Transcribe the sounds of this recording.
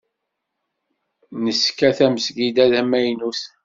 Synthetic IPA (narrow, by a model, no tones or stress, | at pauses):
nəskæθæməsɡid̪æðæmæjnus